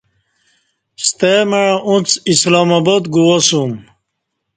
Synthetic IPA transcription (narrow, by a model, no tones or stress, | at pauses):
st̪emeɻɐʔũt͡sislaːmɐbod̪ɡuwɐsum